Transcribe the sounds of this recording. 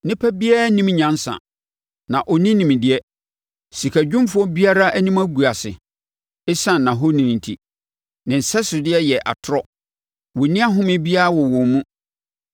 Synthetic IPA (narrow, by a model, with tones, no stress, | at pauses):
nɪ̃˦pʰɛ˦bi˦a˦nĩ˦mɲã˨n˦sã̰˨ | nã˨ʔɔ˨nĩ˦nĩ˨m̃˨dɪ˦ɛ˦ | si˨kʰæ˨d͡ʑᶣʊ̃˦m˦fʊ˦ɔ˦bi˦a˦ɾa˦ʔæ˦nĩ˦mæ˦ɡu˨a˨sɪ̰˨ | ɪ˦sã˦˨nnːã˨ɦo˦nĩ˨nĩ˨n˨tʰḭ˨ | nɪ̃˨n̩˨sɛ˦sʊ˨dɪ˦ɛ˦jɛ˨ʔa̰˨tʰʊ˦ɾɔ˦ | wɔ˨nĩ˦a˦ɦʊ̃˦mɪ̃˦bi˦a˦ɾa˦˨wɔ˨wɔ̃˨mũ˦